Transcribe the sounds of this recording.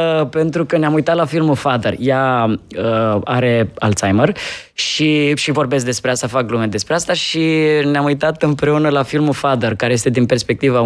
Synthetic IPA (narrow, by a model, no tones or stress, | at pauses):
əpe̞nt̪ɾukəneamujt̪at̪lafilmufad̪ərjaəa̰ɾe̞a̰lt̪sajmər | ʃiʃivo̞rbe̞s̬k̚d̪e̞spɾe̞ast̪afaklumed̪e̞spɾeast̪aʃineamujt̪at̪ɨmpɾe̞unəlafilmufad̪ərkaɾe̞je̞st̪e̞d̪inpe̞rspe̞k̚t̪iva